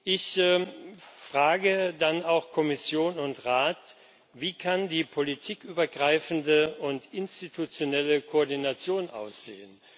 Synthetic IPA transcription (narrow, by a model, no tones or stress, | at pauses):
ʔɪç | fʁ̥aːɡədanaʊxkʰɔmɪsjoːnʊntʁaːt | viːkʰandiːpʰolitʰiːkʔyːbɐɡʁaɪfn̩dəʊntʔɪnstitʰut͡sjonɛləkʰoɔɐdinat͡sjoːnʔa̰ʊsz̥ḛːən